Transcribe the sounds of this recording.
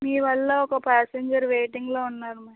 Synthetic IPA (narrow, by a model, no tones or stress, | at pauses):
miːʋɐlːɐɔkɐpaːseɲd͡ʒɐɾʋeːʈiŋɡloːunːaːɾumɐː